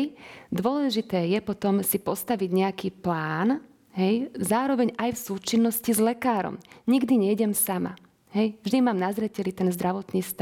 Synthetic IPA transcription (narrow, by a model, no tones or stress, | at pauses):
jd̪ʊɔlɛʒit̪ɛːjɛpɔt̪ɔmsipɔst̪aʋiɟɲɛakiːplaːn | ɦɛjzaːɾɔʋɛɲajfsuːt͡ʃinːɔscizlɛkaːɾɔ̰mɲiɡd̪iɲɛjɟɛmsama̰ | ɦɛjvʒd̪imaːmnazɾɛcɛlit̪ɛnzd̪ɾaʋɔt̪niːst̪a